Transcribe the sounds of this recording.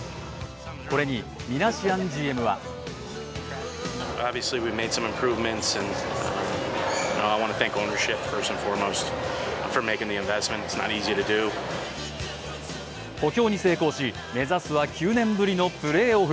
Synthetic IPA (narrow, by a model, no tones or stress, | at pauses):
ko̞ɾe̞ɲ̟imʲinaɕiãnd͡ʑiːe̞mɯ̟βa̰ | ɑbviɨsliwivmeɪd̥sʌ̃mɨ̃mpʰɹ̥ʉvmɨ̃ntsɨ̃n | noʊaɪwɑ̃nɨθæ̃ŋkõʊ̃nə˞ʃɪpfə˞sʌ̃ɱfɔɹmoʊstfə˞meɪkɪ̃ŋðiɨ̃ɱvɛsmɨ̃ntɨtsnə̰ɾiziəɾɨdʉ | ko̞kʲo̞ːɲ̟ise̞ːko̞ːɕi | me̞zasɨβakʲʰɨːnẽ̞mbɯ̟ɾʲino̞pɯ̟ɾe̞ːo̞ɸ